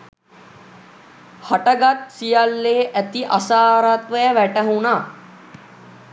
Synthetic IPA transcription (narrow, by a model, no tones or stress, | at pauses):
haʈɐɡat̪sijalːeːʔæt̪iʔasaːɾat̪ʋəjəʋæʈɐɦunaː